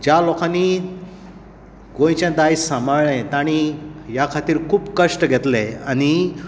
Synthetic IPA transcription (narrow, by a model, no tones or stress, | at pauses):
d͡ʑalɔkãni | ɡõj̃t͡ɕãd̪ajsãmaɭɭɛ̃t̪aɽ̃ijakʰat̪iːɾkʰuːpkəʂʈɡʱɛt̪leaɽ̃i